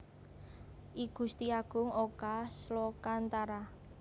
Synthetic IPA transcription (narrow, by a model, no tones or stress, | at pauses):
ʔiɡ̥ust̪iaɡ̥ʊ̤ŋokaslokant̪aɾa